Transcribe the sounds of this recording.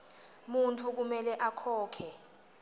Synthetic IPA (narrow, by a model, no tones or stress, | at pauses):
muntʰuk̬umɛlɛʔakʰɔːkʰɛ